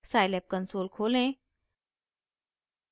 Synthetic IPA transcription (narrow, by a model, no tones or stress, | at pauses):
saːjlɛp̚kənsoːlkʰolẽ